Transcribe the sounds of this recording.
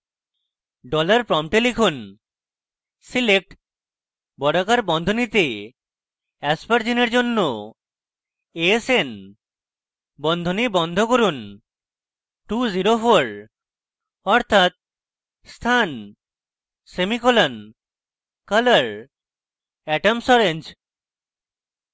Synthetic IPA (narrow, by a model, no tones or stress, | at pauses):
ɖɔlaɾpɾɔmʈelikʰun | silek̚ʈ | bɔɽakaɾbɔnd̪ʱonit̪e | ɛspaɾd͡ʑineɾd͡ʑonːo | esen | bɔnd̪ʱonibɔnd̪ʱokoɾun | ʈuziɾofoɾ | ɔɾt̪ʰat̪̚ | st̪ʰan | semikolan | kələɾ | ɛʈamsɔɾend͡ʑ